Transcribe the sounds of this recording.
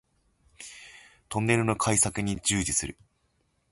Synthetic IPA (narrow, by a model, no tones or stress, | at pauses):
t̪õ̞nːe̞ɾɯ̟no̞kʰaisakɯ̟ɲ̟id͡ʑɨːd͡ʑisɨɾɯ̟